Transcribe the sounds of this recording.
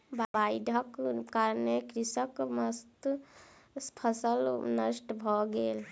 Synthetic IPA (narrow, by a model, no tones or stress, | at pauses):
bbajɖ̪ʱəkkaɾnekɾisəkməst̪ | spʰəsəlnəsʈbʱɔɡel